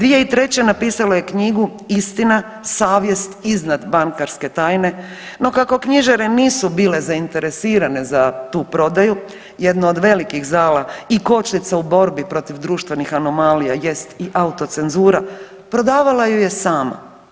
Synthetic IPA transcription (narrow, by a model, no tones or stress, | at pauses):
d̪ʋije̞it̪ɾe̞t͡ɕe̞napiːsaloje̞kɲiɡu | ist̪ina | saːʋje̞st̪iznad̪baŋkaɾske̞t̪aːjne̞ | no̞kako̞kɲiʒaɾeniːsubiːle̞zaint̪e̞ɾe̞siːɾane̞zat̪uːpɾo̞d̪aju | je̞d̪nood̪ʋe̞likiɣzaːlaiko̞t͡ʃnit̪saubo̞ɾbipɾo̞t̪iʋd̪ɾuːʃt̪ʋe̞nixano̞malijaje̞st̪iʔaut̪o̞t̪se̞nzuːɾa | pɾo̞d̪aːʋalajuje̞saːma̰